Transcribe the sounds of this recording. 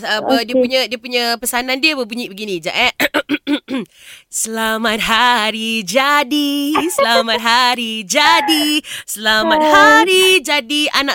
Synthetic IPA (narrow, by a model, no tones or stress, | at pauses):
əpədiəpuɲədiəpuɲəpəsanandiəbəbuɲiʔbəɡinĩd͡ʒa̰ʔɛʔ | səlamat̪̚ɦaɾid͡ʒadisəlamat̪̚ɦaɾid͡ʒadisəlamat̪̚haɾid͡ʒadianã